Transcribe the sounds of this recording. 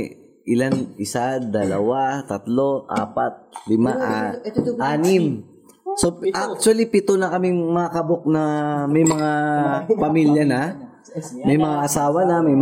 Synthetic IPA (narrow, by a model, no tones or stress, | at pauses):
ʔɪlanʔɪsad̪ɐlɐwat̪ɐt̪lo̞ʔa̰ːpɐt̪̚lɪmaʔaʔaːnɪm | soʔak̚t͡ʃ̪ʊwɐlipɪt̪onɐkɐmɪŋmɐakɐbok̚nɐmɛjmɐŋapɐmiljɐnɐ | mɐjmɐŋaʔɐsaːwɐnɐmɛj